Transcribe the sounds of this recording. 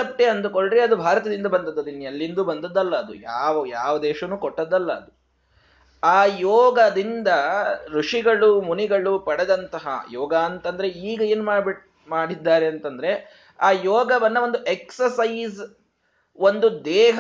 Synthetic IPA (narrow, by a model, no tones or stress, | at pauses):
ɐp̚ʈːeɐnd̪uko̞ɭɖɾeɐd̪ubʱaːɾɐt̪ɐd̪ind̪ɐbɐnd̪ɐd̪ːɐd̪inːiɐlːind̪uːbɐnd̪ɐd̪ːɐlːɐːd̪ṵjaːʋɐjaːʋɐd̪ɛːʃɐnuːkoʈːɐd̪ːɐlːɐɐd̪u | aːjɔːɡɐd̪ind̪ɐɾuʂiɡɐɭumuniɡɐɭupɐɽɛd̪ɐnt̪ɐɦɐ̰jɔːɡaːnt̪ɐnd̪ɐɾe̞iːɡɐe̞ːnumaːb | maːɽid̪ːaːɾe̞ɐnt̪ɐnd̪ɐɾe̞ | aːjɔːɡɐʋɐnːɐʋo̞nd̪uʔeksɐsɐjz | o̞nd̪ud̪ɛːɦ